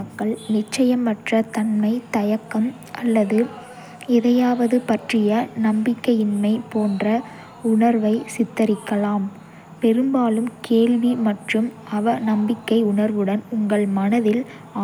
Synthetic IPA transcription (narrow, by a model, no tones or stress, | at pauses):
ɐkːɐɭnɪt͡ʃːɐjɐmːɐʈrɐt̪ɐnmɐɪt̪ɐjɐkːɐm | ʔɐlːɐðɯ | ɪðɐjaːʋɐðɯpɐʈrɪjɐnɐmbɪkːɐjɪnmɐɪpoːndrɐ | ʊɳɐɾʋɐɪsɪt̪ːɐɾɪkːɐlaːm | pɛɾɯmbaːlɯmkeːɭʋimɐʈrɯm | ɐʋɐnɐmbɪkːɐɪʊɳɐɾʋɯɽɐnʊŋɡɐɭmɐnɐðɪlː